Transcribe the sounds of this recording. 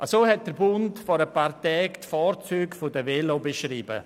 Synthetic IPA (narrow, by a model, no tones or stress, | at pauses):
ʔasoːhɛt̚d̥əɾbʊntfɔɾəpaːɾtɛːktfaːɾt͡syːkfʊdəvelobeʃriːbə̰